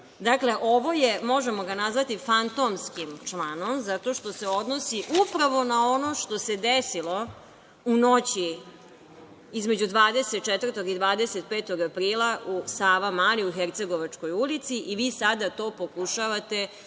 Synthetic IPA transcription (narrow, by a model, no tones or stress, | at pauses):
d̪akleʔo̞ʋo̞jemo̞ʒemo̞ɡanazʋat̪ifant̪o̞mskimt͡ʃlˠanomzat̪o̞ʃt̪o̞seod̪nosiʔupɾaʋo̞nao̞no̞ʃt̪ose̞d̪esilo̞ | uno̞t͡ɕi | izmed͡ʑud̪ʋaːd̪e̞set̪̚t͡ʃɛt̪vər̩t̪o̞ɡid̪ʋaːd̪e̞set̪̚peːt̪o̞ɡapɾiːlaʔusaːʋamaːliuxeɾt̪se̞ɡo̞ʋat͡ʂko̞julit̪siʔiʋiːsad̪at̪o̞ːpo̞kuʃaʋat̪e̞